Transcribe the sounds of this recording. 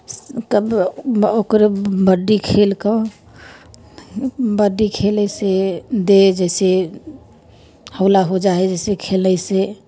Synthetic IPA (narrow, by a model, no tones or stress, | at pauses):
kəbokɾebəɖːikʰelkə | bəɖːikʰelɛsed̪ed͡ʒɛse | həʊlaɦod͡ʒaɛd͡ʒɛsekʰelnɛse